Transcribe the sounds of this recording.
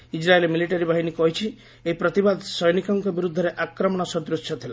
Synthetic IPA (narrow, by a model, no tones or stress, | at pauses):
id͡ʒɾaelemiliʈaɾibaɦinikɔɦit͡ʃʰi | eɦipɾɔt̪ibad̪sɔjnikɔŋkɔbiɾud̪ʱːɔɾeʔakɾɔmɔɽ̃ɔsɔd̪ɾusjɔt̪ʰila